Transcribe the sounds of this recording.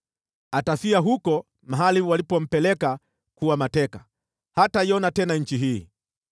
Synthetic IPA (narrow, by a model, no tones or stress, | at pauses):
atafiaɦukɔ | maɦaliwalipɔm̩pɛlɛka | kuwamatɛka | hatajɔnatɛnaɲ̩t͡ʃiɦiː